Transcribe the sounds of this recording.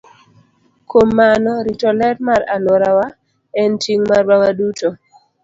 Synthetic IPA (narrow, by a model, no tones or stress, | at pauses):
kʰomːanɔɾitɔlɛtmaɾaloɾawa | ɛntiŋmarwawaduto